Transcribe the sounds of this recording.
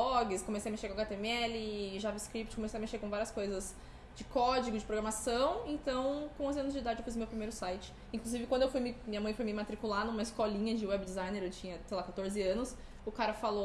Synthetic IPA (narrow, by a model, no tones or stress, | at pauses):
ɔɡɪskõmesejɐmeʃekõaɡat̪emɪɛlɪʒavɪskɾipt͡ʃɪ̥kõmesejɐmeʃeɾkõvaɾiɐskojzɐz | d͡ʒɪkɔd͡ʒiɡʊd͡ʒɪpɾoɡɾamasɐ̃w̃ẽnt̪ɐ̃w̃kõʊzɐ̃nʊzd͡ʒɪid̪ad͡ʒɪewfizmewpɾimejɾʊsajt͡ʃɪ̥ | ĩŋkluzivɪkwɐ̃nd̪ʊewfujmɪmĩɲɐmɐ̃j̃fojmɪmat̪ɾikulanũmɐɪskɔlĩɲɐd͡ʒɪwɛbd͡ʒɪzajneɾewt͡ʃĩɲɐsejlakat̪oɾzɪɐ̃nʊs | ʊkaɾɐfalo